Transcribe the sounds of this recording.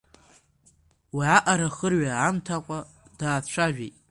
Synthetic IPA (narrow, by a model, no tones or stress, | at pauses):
wiaʔaɾaχərɥaːmtʰakʷʼa | d̥aːθʃʷʰaʒᶣejtʼ